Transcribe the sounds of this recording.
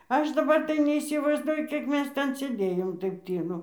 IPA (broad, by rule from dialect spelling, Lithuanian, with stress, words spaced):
ˈɐʃ dɐˈbɐr tɐɪ nʲɛiːsʲɪʋɐɪzˈduɔjʊ ˈkʲiɛk ˈmʲɛs ˈtʲɛn sʲeːˈdʲeːjoːm ˈtɐɪp ˈtʲiːlˠʊ